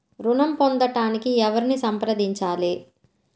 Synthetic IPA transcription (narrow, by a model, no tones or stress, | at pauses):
ɾunɐmpond̪ɐʈaːnikiɛʋɐɾinisɐmpɾɐd̪iɲt͡ʃaːle